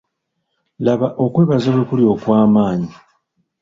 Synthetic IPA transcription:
laβaʔo̞kwe̞ːβazawekuljo̞ːkwaːmaːɲi

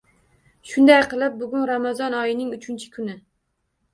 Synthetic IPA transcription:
ʃʊnd̪ajqʰɨlˠap̚bʊɡʲʊnɾamazɒnɒjɪnɪŋʊt͡ʃʰɪnt͡ʃʰɪ̥kʰʊnɪ

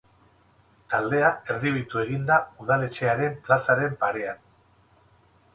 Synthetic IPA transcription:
t̪ald̪e̞ae̞ɾðiβ̞it̪ue̞ɣ̞ind̪auðale̞t͡ʃe̞aɾe̞mplasaɾe̞mpaɾe̞an

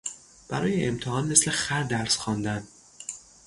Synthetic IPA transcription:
b̥æɾɒːjeʔːmt̪ʰehɒːnme̞sle̞xæɾd̪æɾsxɒːnd̪æn

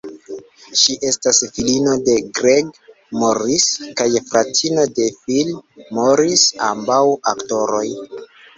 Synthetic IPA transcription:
ʃiʔe̞stasfilino̞de̞ɡɾeɡ | moɾiskajfɾatʰino̞de̞filmoɾisa̰mbawakto̞ɾo̞j

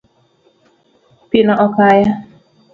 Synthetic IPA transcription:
pinɔʔɔkaja

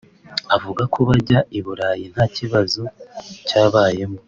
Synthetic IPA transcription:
avuɡakʰoβaɟaiβuɾaːjin̥haciβazocaːβaːje̞mo

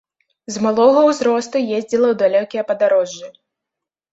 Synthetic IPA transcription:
zmalˠɔɣɐwzɾɔst̪ujezʲd͡zʲilˠɐwd̪alʲɔkʲijɐpɐd̪aɾɔʐːɨ

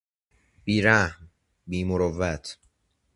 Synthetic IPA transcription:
b̥iːɾæhm | biːmoɾovæt̪ʰ

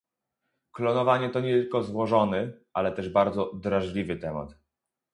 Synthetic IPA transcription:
klɔnɔvaɲɛt̪ɔɲɛt̪ɘlkɔzwɔʐɔnɘʔalɛt̪ɛʐbaɾd̪zɔd̪ɾaʐlʲivɘt̪ɛma̰t̪

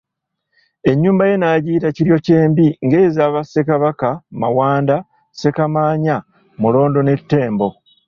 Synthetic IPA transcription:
e̞ɲːuːmbaje̞naɟiːtaciɾjo̞ce̞ːmbiŋɡe̞ːzaːβase̞kaβakamawaːnda | se̞kamaːɲa | mulo̞ːndo̞ne̞tːe̞ːmbo̞

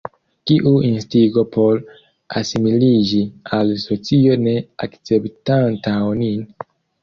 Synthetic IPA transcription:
kiʔuinstiɡo̞pʰo̞ɾ | a̰similid͡ʒialso̞t͡sio̞ne̞akt͡se̞ptantawnin

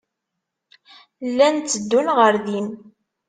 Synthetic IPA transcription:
lːænt̪t͡sːəd̪ːulʁəɾðin

